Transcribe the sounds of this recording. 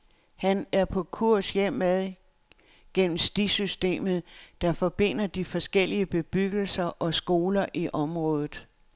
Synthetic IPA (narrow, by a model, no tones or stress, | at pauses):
hænæɐpʰɒ̽kʰuɐ̰sjem̰æðˠ | ɡ̥en̰m̩sd̥isysd̥e̝̰ːmð̞̩ˠd̥ɑ̈fɒ̽b̥e̝n̰ɐd̥ifɒ̽sɡ̥el̰iəb̥e̝b̥yɡ̥l̩sɐʔɒ̽sɡ̥o̝ːlɐʔiʔɒ̽mʁɔ̽ːðˠð̩ˠ